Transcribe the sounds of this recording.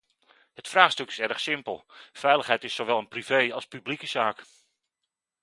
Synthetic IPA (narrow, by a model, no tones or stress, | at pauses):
ɦətfraːχstɵkɪ̥sɛɾəχsɪmpəlˠfɛjləχɦɛjtɪsoʋɛlˠənprivejɑlˠspyblikəz̥aːk